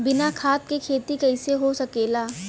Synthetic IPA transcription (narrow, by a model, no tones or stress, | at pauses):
bɪnakʰaːt̪̚kekʰeːt̪ikɐɪseɦosɐkeːlaː